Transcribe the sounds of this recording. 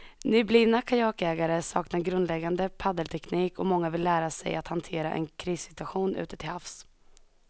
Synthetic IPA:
nʏbliːnakʰajɑːkɛːɡaɾəsɑ̰ːknaɾɡɾɵnd̪lɛɡːand̪əpʰad̪əlt̪ʰɛkniːkɔmɔŋːavɪlːæːɾasɛ̰jat̪hant̪ʰeːɾa̰ʔɛ̰nkʰɾiːsɪ̥t̪ɵaɧuːnʔʉ̟̰ːt̪ə̥t̪ʰɪlhafs

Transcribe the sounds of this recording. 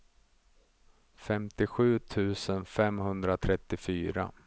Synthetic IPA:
fɛmt̪ɪɧʉ̟ːt̪ʰʉ̟ːsənfɛmhɵnd̪ɾat̪ʰɾɛt̪ːɪfyːɾa̰

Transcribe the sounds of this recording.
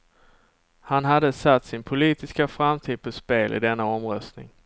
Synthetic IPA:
hanɦad̪ːəsat̪ːsɪnpʰʊliːt̪ɪskafɾamt̪ʰiːd̪̚pʰɔspeːlʔɪ̰d̪ɛnːaɔmɾœst̪nɪ̰ŋ

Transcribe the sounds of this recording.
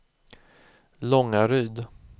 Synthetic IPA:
lɔŋːaɾyːd̪

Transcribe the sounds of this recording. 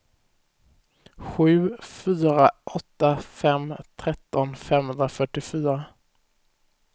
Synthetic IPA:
ɧʉ̟ːfyːɾaʔɔt̪ːafɛmt̪ʰɾɛt̪ːɔnfɛmhɵnd̪ɾafœʈːɪfyːɾa

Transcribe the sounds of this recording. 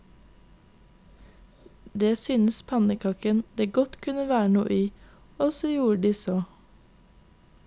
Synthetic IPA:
d̪eːsyːnəspʰɑnəkʰɑkənd̪̥eːɡɔt̪kʰʉnəʋæːɳṵːʔiː | ɔsɔjuːəɖiːsɔ

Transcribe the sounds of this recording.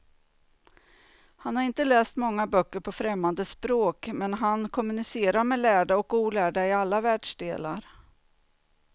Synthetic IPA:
hanhaɾɪnt̪əlɛːst̪mɔŋːabœkːəɾpʰɔfɾɛmːand̪əspɾoːkmɛnɦankʰɔmɵnɪseːɾaɾmɛlæːɖaɔkuːlæːɖaɪalːavæːɖʂɖ̪eːla̰ɾ

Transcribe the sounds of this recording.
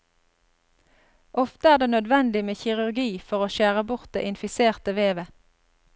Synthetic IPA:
ʔɔft̪əæːʁd̪eːnœd̪ʋɛnd̪ɪmeːçɪʁʉʁɡiːfɔʁoːʃæːʁəbʊʁt̪̚d̪ḛːʔɪnfɪseːʁt̪əʋeːʋə

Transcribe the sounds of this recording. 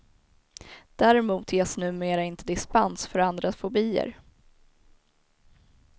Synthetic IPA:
d̪̥æɾɛmuːt̪ʰjeːsnʉ̟ːmeːɾaɪnt̪ʰəd̪ɪspansfœɾand̪ɾafɔbiːə̰ɾ

